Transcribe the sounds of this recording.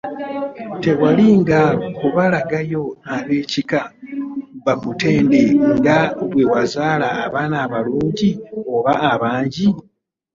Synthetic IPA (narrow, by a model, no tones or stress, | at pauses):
te̞waliŋɡakuβalaɡajo̞aβe̞ːcika | βamute̞ːndeŋɡaβwe̞wazaːlaːβaːnaːβaluːɲɟio̞βaːβaːɲɟi